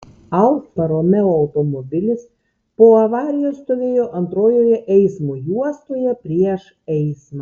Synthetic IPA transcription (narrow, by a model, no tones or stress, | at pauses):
ɐlˠk̪pɐɾoːmʲɛoːɐʊt̪omobʲɪlʲɪs | poːɐʋɑːɾʲɪjoːst̪oʋʲeːjoːʔɐnt̪ɾoːjoːjɛʔɛɪsmojuɔst̪oːjɛpʲɾʲiɛʃ | ɛɪsmɐ